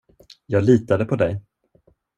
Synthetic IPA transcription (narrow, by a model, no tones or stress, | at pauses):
jɑːɡliːt̪ad̪əpʰɔd̪ɛj